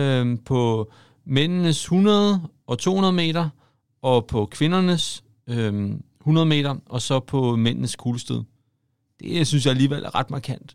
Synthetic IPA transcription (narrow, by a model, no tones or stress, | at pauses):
øpʰɒ̽ | men̰nəshunɐð̞ˠəʔɒ̽t͡sʰo̝̰ːhunɐðˠme̝̰ːɾɐ | ʔɒ̽pʰɒ̽kʰʋe̝nɐnəs | øm | hunɐðˠəme̝̰ːd̥ɐʔɒ̽sɒ̽pʰɒ̽men̰nəskʰuːləsd̥eðˠ | d̥e̝synsjɑæliːʋelʔæɐʁɑ̈d̥mɑ̈kʰæn̰d̥